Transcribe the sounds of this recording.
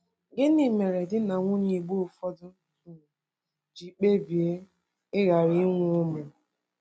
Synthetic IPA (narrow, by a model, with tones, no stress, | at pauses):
ɡɪ˦ni˨me˨ɾe˨dɪ˦na˨ŋʷʊ˦ɲi˨ɡ͡bo˦˨fɔ˦dʊ˦˨ | d͡ʒi˨k͡pe˦bi˨e˦ | ɪ˦ɣa˨ɾi˦ŋʷ˦o˦me˨